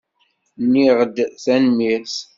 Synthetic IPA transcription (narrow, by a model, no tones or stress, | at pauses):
nːiʁəd̪θænmis